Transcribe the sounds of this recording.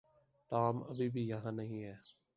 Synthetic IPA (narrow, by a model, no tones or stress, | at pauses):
ʈaːmə̰bʱibʱiːjəɦãːnəɦĩɦɛː